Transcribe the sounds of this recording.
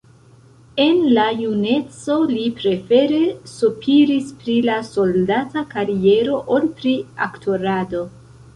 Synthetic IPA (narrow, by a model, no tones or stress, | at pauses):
e̞nlajune̞t͡so̞lipɾe̞fe̞ɾe̞supʰiɾispɾilaso̞ldatakaɾie̞ɾo̞ʔolpɾiaktʰo̞ɾado̞